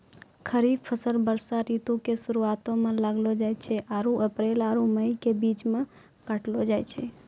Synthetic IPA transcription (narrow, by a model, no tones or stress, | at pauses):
kʰəɾib̚pʰəsəlbəɾsaɾit̪ukesuɾuat̪õmẽlaɡlod͡ʒajt͡ʃʰɛʔaɾuʔəpɾelaɾuməjkebit͡ʃmẽ | kaʈlod͡ʒajt͡ʃʰɛ